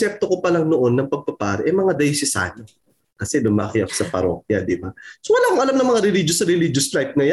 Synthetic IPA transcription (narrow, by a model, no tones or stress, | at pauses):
ɛp̚t̪okopɐlaŋnoʔo̞nːɐŋpɐɡ̚pɐpaːɾɛʔɐjmɐŋad̪ɐisɪsa̰ːɲo | kɐsɛd̪ʊmakɪjɐksɐpɐɾo̰ːk̚jɐd̪ɪbasowɐlaːkoŋʔɐlamnɐŋmɐŋaɾɛlid͡ʒosɐɾɛlid͡ʒʊsflajt̪̚ŋɐja